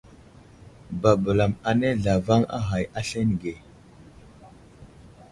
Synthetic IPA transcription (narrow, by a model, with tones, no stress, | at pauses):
ba˨bə˨la˨ma˨ne˦ɮa˨va˦ŋa̰˦ɦa˨ja˦ɬe˦n˨ɡe˨